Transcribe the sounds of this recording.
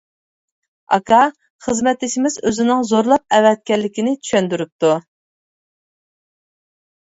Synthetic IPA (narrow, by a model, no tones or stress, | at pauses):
ɑ̰kʰɑ | χəzmɛt̪ʰːɪʃimɪzøzɪnɪŋzoɾlˠɑp̚ɛwɛt̪̚kʲɛɾlːɪkʲinɪt͡ʃ̪ʰy̥ʃɛnd̪yɾyp̚t̪u